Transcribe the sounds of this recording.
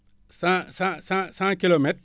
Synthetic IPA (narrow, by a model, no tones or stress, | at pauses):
sãsãsãsãkilomet̚